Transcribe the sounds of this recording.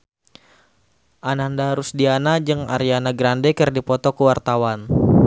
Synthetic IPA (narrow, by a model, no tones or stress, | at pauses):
ʔanandaɾusdianad͡ʒɨŋa̰ɾianaɡɾandɛkɨrdipɔt̪ɔkuwart̪awan